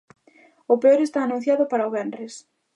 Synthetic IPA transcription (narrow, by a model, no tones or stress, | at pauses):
ʊpeoɾest̪aːnũn̟θjaðʊpaɾɐoβɛnes